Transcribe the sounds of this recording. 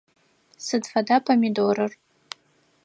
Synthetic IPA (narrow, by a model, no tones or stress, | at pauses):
sɨdfadapʰamidoɾɨr